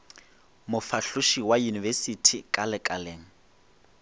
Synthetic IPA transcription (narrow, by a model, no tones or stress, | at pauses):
mʊfaɬʊʃiwajunivɛsitʰikʼalɪkʼaleːŋ̩